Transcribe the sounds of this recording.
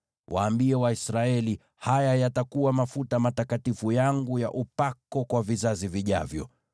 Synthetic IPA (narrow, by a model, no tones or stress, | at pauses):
wʔa̰ːmbiɛwaisɾaɛli | hajajatakuwamafutamatakatifujaŋɡuja̰ʔupakɔkwavizaziviʄa̰vjɔ̰